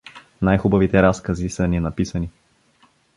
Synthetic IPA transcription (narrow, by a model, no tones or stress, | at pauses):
najxubɐvit̪ɛɾaskəzisənʲinɐpisəni